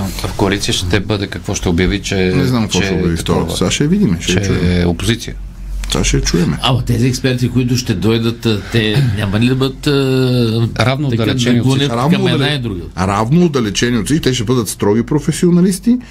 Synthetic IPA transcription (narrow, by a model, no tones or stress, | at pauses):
fkoɐlit̪sijəʃt̪ɛbəd̪ɛkɐkvɔʃt̪ɛobjɐvit͡ʃɛnɛznamkɐkvɔʃɛobjɐvift̪ɔɾo̰saʃɛvid̪imɛʃɛɛt͡ʃuɛopozit̪sijə | t̪va̰ʃɛt͡ʃuɛmɛɐmɐt̪ɛziɛkspɛɾt̪ikoit̪̬ʊʃt̪ɛd̪ɔjd̪ət̪ːɛnʲamɐlid̪ɐbəd̪t̪ː | ɾavnoːt̪ɐd̪ɐlɛɛɐnionɾavnkɐd̪laid̪ɾuɡəɾavnoːd̪ɐlɛt͡ʃɛnʲiot̪sit̪ɛʃ̬ɛbəd̪ət̪st̪ɾɔɡipɾofɛsionɐlist̪i